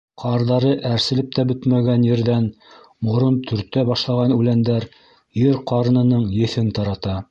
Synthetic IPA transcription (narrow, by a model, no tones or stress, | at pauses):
qʰɑɾðɑɾɤʔæɾsɘ̆lɘp̚t̪æbɵt̪mæɡænjɘ̆ɾðæn | mŏɾɤnt̪ʰɵ̆ɾt̪ːæbɑʃlˠɑʁɑnʉlænd̪æɾ | jɘɾqɑɾnɤ̆nɤɴjɘ̆θɘnt̪ɑɾɑt̪ɑ